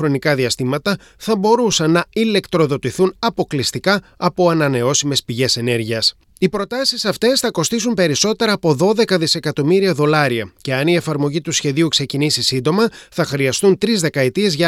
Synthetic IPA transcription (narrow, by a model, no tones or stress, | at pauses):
ɾo̞nikɐðiɐst̪imɐt̪ɐ | θɐbo̞ɾusɐnɐile̞kt̪ɾo̞ðo̞t̪iθunɐpo̞klist̪ikɐː | po̞ɐnɐne̞o̞sime̞spiʝe̞se̞ne̞ɾʝiɐs | ipɾo̞t̪ɐsisɐft̪e̞sθɐko̞st̪isumpe̞ɾiso̞t̪e̞ɾɐːpo̞ðo̞ðe̞kɐðise̞kɐt̪o̞miɾiɐðo̞lɐɾiɐce̞ɐniefɐɾmo̞ʝit̪usçe̞ðiukse̞cinisisind̪o̞mɐθɐxɾiɐst̪unt̪ɾizðe̞kɐet̪ie̞zʝɐ